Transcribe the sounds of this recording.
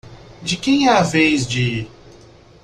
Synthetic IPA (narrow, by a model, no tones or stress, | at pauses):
d͡ʒɪkẽj̃ɛavejzd͡ʒɪ